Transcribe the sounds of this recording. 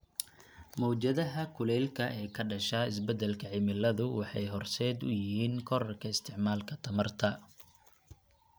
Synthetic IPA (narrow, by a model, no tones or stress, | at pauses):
mɔːt͡ʃɐðɐɦɐkʰʊlɛːlkʰɐʔɛːkʰɐɖɐʃɐɪsbɛd̪ɛlkʰɐʕɪmɪlːɐðʊwɑħɑjɦɔrsɛːd̪ʊ̰jɪhiːnkʰɔɾɐrkʰɐɪst̪ʰɪʕmaːlkʰɐt̪ʰɐmɐrt̪ʰɐ